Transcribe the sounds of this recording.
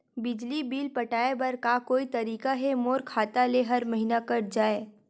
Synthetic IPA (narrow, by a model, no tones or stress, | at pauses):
bɪd͡ʒlibiːlpɐʈaːebɐɾkakoːit̪ɐɾiːkaɦɛmoːɾkʰaːt̪aleɦɐɾmɐɦinakɐɾd͡ʒaːeː